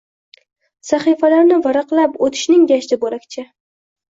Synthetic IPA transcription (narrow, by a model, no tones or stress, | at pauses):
saχifalaɾnɪvaɾɑqlˠapot̪ʰɪ̥ʃnɪŋjaʃd̪ɪbolakʲt͡ʃʰɪ